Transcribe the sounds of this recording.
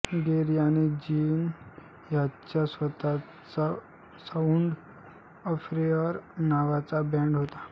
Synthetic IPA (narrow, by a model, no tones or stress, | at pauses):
ɡeɾijaned͡ʑiːn | jat͡ɕasʋət̪a | t͡sa | sauɳɖ | ɔfɾeəɾnaʋat͡sabɛ̃ɳɖɦot̪a